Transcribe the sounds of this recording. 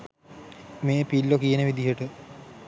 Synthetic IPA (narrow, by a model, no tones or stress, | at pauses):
meːpilːokijənəʋid̪iɦəʈə